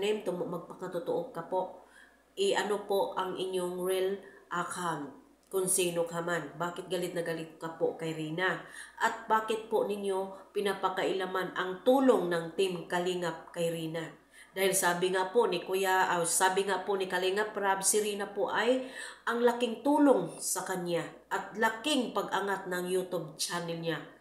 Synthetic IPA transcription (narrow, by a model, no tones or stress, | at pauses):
nɛnt̪omoʔmɐɡ̚pɐkat̪ot̪oʔokapoʔ | ʔɪʔɐnopoʔaŋʔɪɲjoŋɹɪlʔakan | kʊnsiːnokamanbaːkɪt̪̚ɡalɪt̪nɐɡalɪt̪̚kapoʔkajɾiːnaʔat̪̚baːkɪt̪̚poʔnɪɲjo̞pɪnapakaʔɪlamanʔɐŋt̪uːloŋnaŋt̪ɪmkaliŋap̚kajɾiːna | d̪aːhɪlsaːbɪŋapoʔnɪkʊjaʔsaːbɪŋapoʔnɪkɐliŋapɾabsɪɾiːnapoʔajʔɐŋlakɪŋt̪uːloŋsɐkanja | ʔat̪̚lakɪŋpaɡʔaŋat̪̚nɐŋjuːt̪ʊb̚t͡ʃanɛlɲa